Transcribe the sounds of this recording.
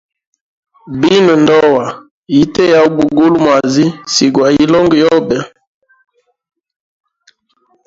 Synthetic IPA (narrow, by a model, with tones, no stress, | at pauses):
bi˦nu˨ndɔ˦wa˨ | ji˦tɛ˦ja˨u˦bu˨ɡu˦lu˦mwa˨zi˦si˨ɡwa˨i˦lɔ˦ŋɡjɔ˦bɛ˨